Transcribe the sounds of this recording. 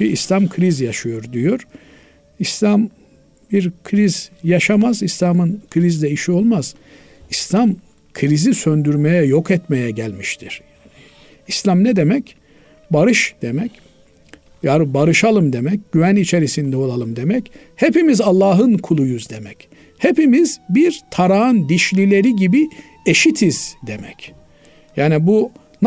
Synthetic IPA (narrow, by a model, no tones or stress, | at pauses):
iislʲamkʰɯɾizjaʃɯjoɾd̪ijoɾ | islʲam | biɾkʰɾizjaʃamazislʲamɯnkʰɾizd̪ɛiʃio̞lˠmaz̥ | islʲam | kʰɯɾizisønd̪yɾmejɛjokɛt̪mejɛɟælʲmiʃt̪ʰiɾ̥ | islʲamnɛd̪e̞mɛc | baɾɯʃd̪̥emɛc | jaɾbaɾɯʃalˠɯmd̪e̞mɛc̚ɟyvænit͡ʃʰe̞ɾisind̪ɛo̞lˠalˠɯmd̪e̞mɛc | hepimizalˠːaːɦɯnkʰulˠujuzd̪e̞mɛc | hepimizbiɾt̪ʰaɾaɯnd̪iʃlʲilʲe̞ɾiɟibi | eʃit̪ʰiz̥d̪emɛc | jaːnibu | n